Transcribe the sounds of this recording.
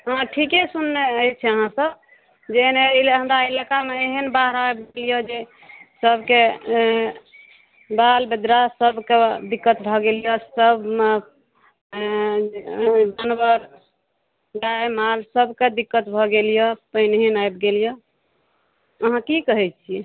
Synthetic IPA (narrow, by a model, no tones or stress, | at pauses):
ɦãʈʰikesunːeəit͡ʃʰɛəɦãsəb | d͡ʒenelɦə̃md̪ailakameːɦənbaɦɾajbɡelijəd͡ʒe | səbke | balbed̪ɾasəbʱked̪ikːət̪bʱɔɡelijɔsəbme | d͡ʒanbəɾ | d͡ʒaemalsəbʱked̪ikːət̪bʱɔɡelijɔpəɦnɦenajbɡelijɔ | əɦãkikəɦɛt̪t͡ʃʰi